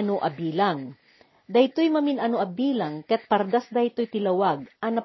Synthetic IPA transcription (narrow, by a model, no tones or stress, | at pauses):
noʔɐbiːlaŋ | d̪ɐjt̪ojmɐminɐnoʔɐbiːlaŋkɐjɐt̪̚pɐɾd̪asd̪ɐjt̪ojt̪ɪlɐwaɡ̚ʔɐnɐ